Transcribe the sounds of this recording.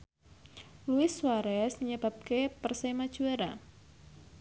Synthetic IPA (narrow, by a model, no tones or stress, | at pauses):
luɪsːwaɾɛsməɲəbap̚kepərsajmad̥ʒ̥uɛɾa